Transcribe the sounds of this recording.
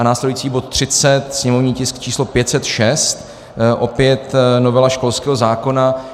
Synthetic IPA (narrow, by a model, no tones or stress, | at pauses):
anaːslɛduiːt͡siːbot̪̚ːr̝̥ɪt͡sɛt̪sɲɛmovɲiːcɪsk̚t͡ʃiːslo̞pjɛt̪sɛt̪ʃɛst̪ | ʔo̞pjɛt̪no̞vɛlaʃko̞lskɛːɦozaːko̞na